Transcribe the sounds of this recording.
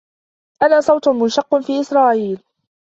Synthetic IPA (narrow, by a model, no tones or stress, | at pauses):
ʔanaːsˤɑwt̪ʊmʊnʃɑqːfiːʔɪsɾˤɑːʔiːl